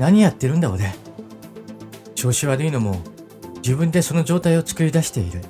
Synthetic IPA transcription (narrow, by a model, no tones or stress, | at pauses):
naɲ̟ijat̪ːe̞ɾɯ̟nd̪aod̪e | ɕo̞ːɕiβaɾɯ̟ino̞mo̞ | d͡ʑibɯ̟̃nd̪e̞so̞no̞ʑo̞ːt̪aio̞t͡sɨ̥kɯ̟ɾʲid̪aɕi̥t̪e̞iɾɯ̟